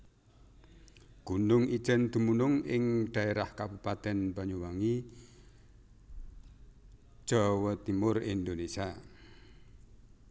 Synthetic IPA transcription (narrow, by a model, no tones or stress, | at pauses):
ɡ̥unʊŋi̥ʒ̥ənd̪̥ṳmunʊŋɪŋɖ̥a̤eɾahkabupat̪ɛnpaɲuwaŋi | ʒ̥ɔwɔt̪imʊrind̪onesia